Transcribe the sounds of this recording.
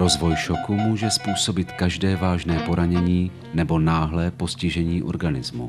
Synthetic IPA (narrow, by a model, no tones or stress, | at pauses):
ɾo̞zvo̞jʃo̞kumuːʒɛspuːso̞bɪt̪kaʒdɛːvaːʒnɛːpo̞ɾaɲɛɲiː | nɛbo̞naːɦlɛːpo̞scɪʒɛɲiːʔo̞̰ɾɡanɪzmu